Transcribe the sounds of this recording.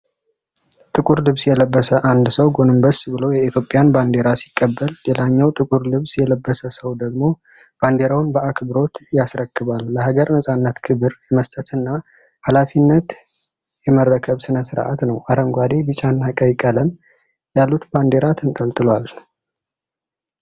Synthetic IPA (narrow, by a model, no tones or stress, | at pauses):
t̪ʼɨkʼuɾlɨβsjɛləbːəsəʔand̪səwɡo̞nɨmbəsbɨlowjɛit̪ʰjo̞pʼɪjanband̪e̞ɾasi̥kʼːəbːəllelaɲːawt̪ʼɨkʼuɾlɨβsjɛləbːəsəsəwd̪əɡmo̞ | b̥and̪eɾawnbəʔakʰbɨɾo̞t̪jasɾəkːɨβalːəhaɡəɾnəsʼanːət̪kʰɨβɨɾjɛməst̪ʼət̪ʰɨnːa | halafinːət̪ | jɛməɾːəkʰəβsɨnəsɨɾʔa̰t̪nəwʔaɾəŋɡʷad̪ebɨt͡ʃʼanːakʼəjkʼələm | jalːut̪band̪e̞ɾat̪ʰɨnt̪ʼəlt̪ʼɨlwal